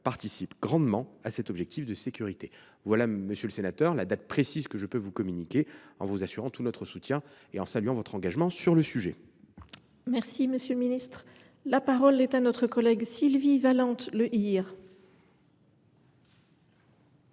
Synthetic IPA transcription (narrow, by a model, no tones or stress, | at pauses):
paʁt̪isipɡʁɑ̃d̪mɑ̃asɛt̪ɔbʒɛk̚t̪ʰifd̪əsekʲyʁit̪e | vwalaməsjələsenat̪œʁlad̪at̪̚pχesizkəʒəpøvukɔmynikʲeɑ̰̃vuzasyʁɑ̃t̪unɔt̪χəsut̪jɛ̃ | eɑ̃salɥɑ̃vɔt̪χɑ̃ɡaʒmɑ̃syʁləsyʒḛ | mɛʁsiməsjələminist̪χ | lapaʁɔlɛt̪anɔt̪χəkɔlɛɡsilvivalɑ̃t̪ləʔiʁ